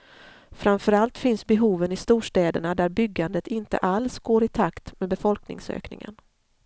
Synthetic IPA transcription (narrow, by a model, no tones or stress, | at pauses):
fɾamfœɾalt̪fɪnsbɛɦuːvənɪst̪uːʂʈ̪ɛːd̪əɳad̪æɾbʏɡːand̪ət̪ʰɪnt̪ə̰ʔalsɡoːɾɪt̪ʰakt̪meːd̪̚bɛfɔlknɪ̰ŋsø̰ːknɪ̰ŋə̰n